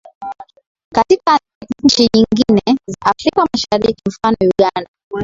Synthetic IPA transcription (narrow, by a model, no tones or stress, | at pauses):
katika | ɲ̩t͡ʃiɲiŋɡinɛzaʔafɾikamaʃaɾikim̩fanɔjuɠanda